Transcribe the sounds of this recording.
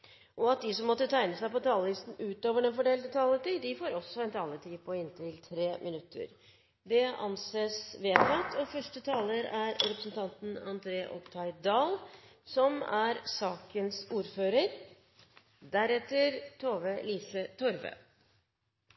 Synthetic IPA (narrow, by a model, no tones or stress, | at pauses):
ʔɔɑt̪̚d̪ɪsɔmːɔt̪ːət̪ʰæɪnəsæɪpɔt̪ʰɑːləlɪst̪n̩ʉːt̪oːʋəɖɛnfɔɖeːld̪ət̪ʰɑːlət̪iːd̪ɪfoːɾɔsɔɛnt̪ʰɑːlət̪ʰiːpʰɔɪnt̪ʰɪlt̪ʰɾeːmʔɪnʉt̪ʰːə̰ɾ | d̪ɛʔɑ̰nseːsʋeːt̪ʰɑt̪ʰɔfœʂʈət̪ʰɑːləɾæɾɾɛpɾəsən̩t̪ʰɑnt̪n̩ɑ̰nd̪ɾeːʔɔ̰pt̪ʰɑɪd̪ɑːlsɔmæɾsɑːkənsuːɾføːɾəɾ | d̪æɾɛt̪ːəɾt̪ʰoːʋəliːsət̪ʰɔɾʋə̰ː